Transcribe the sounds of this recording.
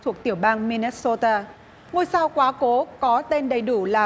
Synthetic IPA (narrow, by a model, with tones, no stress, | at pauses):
t̪ʰu˨˩ək̚t̪i˧˩əwɓaː˧ŋmi˧ni˦˥so˧t̪aː˧ | ŋo˨˩jsaː˧wkwaː˨˦ko˨˦kɔ˨˦t̪e˧nɗə˨˩jɗu˧˩laː˨˩